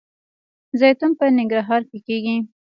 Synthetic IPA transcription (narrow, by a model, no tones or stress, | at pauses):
zɑjt̪umpənɪŋɡɾɑɦɑɾkekeɡi